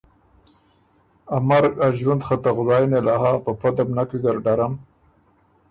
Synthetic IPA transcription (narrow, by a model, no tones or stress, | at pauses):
amaɾaʒwand̪χat̪aɣʊzɑjnelaɦapapad̪amnakwizaɾɖaɾam